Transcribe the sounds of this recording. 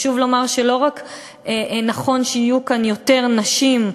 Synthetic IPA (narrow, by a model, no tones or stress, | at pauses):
ʃuvlo̞maʁʃelo̞ʁak | enaχo̞nʃeijukanjo̞te̞ʁnaʃim